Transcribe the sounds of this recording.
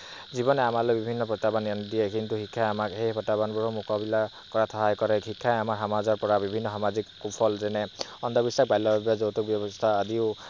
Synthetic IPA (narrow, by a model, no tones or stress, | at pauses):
zibɔnɛamalobibʱinːɔpɔtabanandijɛkint̪uhikʰːajamakhejpɔtːabanbɔɹɔmukɔbila | kɔɹat̪ʰɔɦajkɔɹɛhʰikʰːajamaɹɦamazɔɹpɔɹabibʱinːɔɦamazikkupʰɔlzɛnɛɔnd̪ɔbisak̚bajlːɔbabazowt̪uk̚bjɔbɔst̪ʰaːd̪iʊ